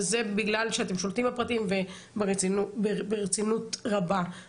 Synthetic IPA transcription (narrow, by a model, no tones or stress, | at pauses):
zebiɡlalʃeat̪e̞mʃolt̪imapʁat̪imve | b | beʁet͡sinutʁaba